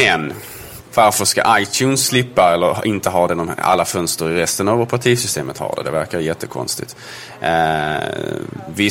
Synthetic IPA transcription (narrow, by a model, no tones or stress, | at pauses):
ɛn | vaɾfœʂka̰ʔajt̪ʰjʉːnsːlɪpːaɛlːəɾɪnt̪əɦɑːd̪ɛnɔma̰lːafœnst̪əɾɪɾɛst̪ənavɔpʰɾat̪ʰiːsʏst̪eːmət̪hɑ̰ːɖ̪ɛ̰d̪ɛvæɾkaɾjɛt̪ʰːəkʰɔ̰nst̪ɪ̰t̪ | vɪ